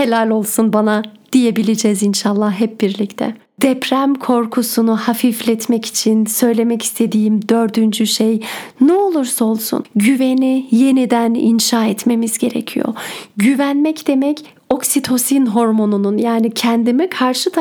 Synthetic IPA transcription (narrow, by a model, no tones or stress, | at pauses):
helʲalʲo̞lˠsunbanad̪̥ije̞bilʲid͡ʒɛzinʃalˠːahɦɛp̚biɾlʲict̪ʰɛ̰ | d̪̥ɛpʰɾæmkʰo̞ɾkʰusunuhafiflʲɛt̪mɛci̥t͡ʃʰinsø̞jlʲe̞mɛci̥st̪ʰe̞d̪iːimd̪ø̞ɾd̪ynd͡ʒyʃejnɛo̞lˠuɾsaolˠsṵnɟyve̞nije̞nid̪ænḭnʃaːɛt̪me̞mizɟeɾḛcʰijo̞̰ɟyvænmɛcd̪e̞mɛc | o̞ksit̪ʰo̞sinɦo̞ɾmo̞nununjaːnicʰɛnd̪imikʰaɾʃɯt̪ʰ